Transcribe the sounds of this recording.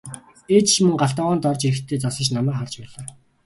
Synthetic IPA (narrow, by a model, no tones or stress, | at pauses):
eːt͡ɕt͡ɕmɵŋɢaɬt̪aːʁaːnt̪ɔrt͡ɕiɾɘ̆xt̪ʰːeːt͡sasə̆t͡ɕnamæːχart͡ɕpæːɮaː